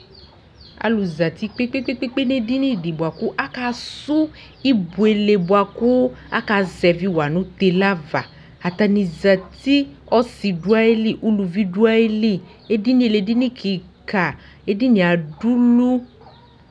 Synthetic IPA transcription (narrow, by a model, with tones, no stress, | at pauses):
a̰˨lu˨za˨t̪i˦k͡pe˦k͡pe˦k͡pe˦k͡pe˦k͡pe˦ne˦di˦nĩ˦˨di˨bu˨a˨ku˦ʔa˦ka˦˧su˦ | i˦bu˨e˨le˨bu˨a˨ku˦a̰˦ka˧zɛ˨vi˦˨wa˨nũ˦t̪e˧la˦va̰˨ | a˨t̪a˧nĩ˨za˨t̪i˦ | ɔ˦si˨du˦a˦e˦li˦˨ʔu˦lu˧vi˦du˦a˦e˦li˦ | e˦di˦nĩ˦e˨le˨di˦nĩ˦kʰi˨ka˨ | e˦di˦nĩ˨a˨du˦lu˦